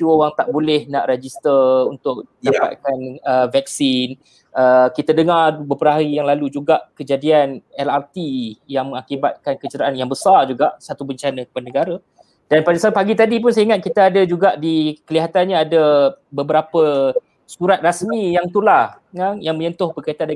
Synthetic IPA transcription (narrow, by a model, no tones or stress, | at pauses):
t͡ʃuowaŋt̪aʔbolɛhnaʔred͡ʒist̪ərunt̪ʊk̚idapa̰t̪̚kanəvɛk̚sin | ʔəkit̪adəŋarbəpəɾaaɾijaŋlalud͡ʒuɡaʔkəd͡ʒadianɛlart̪ijaŋməŋakiba̰t̪̚kankət͡ʃəɾaʔanjaŋbəsard͡ʒuɡaʔsat̪ubəɲt͡ʃanəkəpadənəɡaɾa | d̥anpadasapaɡit̪adip̬ʊnsaiŋat̪̚kit̪aadad͡ʒuɡaʔdikəliɦat̪anɲaadabəbəɾapə | suɾat̪̚rasmijaŋt̪ula | ŋaŋjaŋmə̃ɲənt̪ʊhbəkait̪and